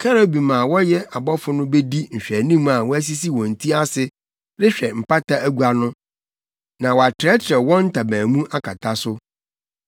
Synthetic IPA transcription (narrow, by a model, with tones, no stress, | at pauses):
kʰɛ˦ɾo˦bi˨mã˨wɔ˦jɛ˦a˨bɔ˦fʊ˦nʊ̃˦be˦di˦ɲ̩˨ɕᶣɛ˨nĩ˦mã˨wɔ˦æ˦s̬i˦si˦wɔ̃˨n̩˨tʰi˦a˦sɪ˦ | ɾɪ˦ɕᶣɛ˨m̩˨pa˦tʰa˦ʔæ˦ɡu˦a˨nʊ̃˦ | nã˨wɔ˨a˨tʰɪ˨ɾɛ˦t͡ɕʰɪ˨ɾɛ˨wɔ̃˦n̩˦tʰa˨bæ̃ː˨mũ˦ʔa˦kʰa˨tʰa˦sʊ˦